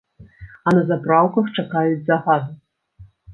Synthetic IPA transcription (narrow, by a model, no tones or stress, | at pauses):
ɐnɐzapɾawkɐxt͡ʂakajud͡zʲzaɣad̪u